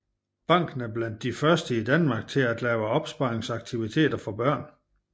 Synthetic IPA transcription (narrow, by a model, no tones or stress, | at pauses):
b̥ɑ̈ŋ̰ɡ̥n̩æɐb̥læn̰d̥ːifɶɐsd̥əid̥ænmɑ̈ɡ̥̚t͡sʰe̝læd̥lɛːʊəɒ̽b̥sb̥ɑ̈eŋsɑ̈ɡ̥̚t͡sʰiʋit͡sʰe̝̰ːd̥ɐfɒ̽b̥ɶɐ̰n